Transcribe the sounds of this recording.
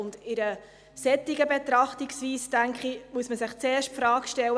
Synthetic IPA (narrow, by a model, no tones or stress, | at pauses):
ʊnd̪ɪɾə | sɛt̪ːiɡəbɛt̪ɾɑχtiksʋiːstæŋkχimuəsməsɪχt͡sɛːʃtpfɾɑːkʃtɛlːə